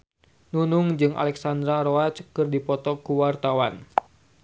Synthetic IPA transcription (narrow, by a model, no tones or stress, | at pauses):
nunuŋd͡ʒɨŋʔa̰lɛksand̪ɾaɾoat͡ʃkɨrdipɔt̪ɔkuwart̪awan